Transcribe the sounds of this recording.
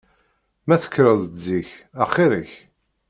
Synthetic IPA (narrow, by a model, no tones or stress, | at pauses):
mæθə̥kːɾəzəzːiçæχiɾəç